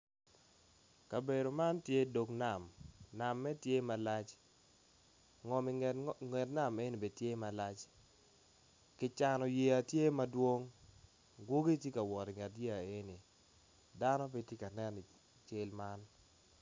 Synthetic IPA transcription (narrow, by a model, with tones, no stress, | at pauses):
ka˨be˨do˨ma˦ntje˦do˨kna˨mna˨mːɛ˦tje˦ma˨la˦t͡ʃ | ŋɔ˨mi˨ŋe˨tna˦me˦ni˨be˨tje˦ma˨la˦t͡ʃ | kɪ˨t͡ʃa˨nɔ˨je˨a˨tje˦ma˦dwo˦ŋ | ɡwo˦ɡi˦tje˦ka˨wɔ˨ɾɪ˨ŋɛ˨tje˦a˨e˦ni˨ | da˦nɔ˦p̬e˦tje˦ka˨nɛ˦ni˨ | t͡ʃe˦lma˦n